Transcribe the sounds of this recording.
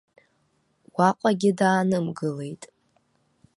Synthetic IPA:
waqʷʼaɡʲɪdaːnɨmɡɨle̞jtʼ

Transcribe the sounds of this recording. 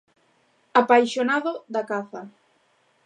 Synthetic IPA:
apajʃonaðoðakaθa

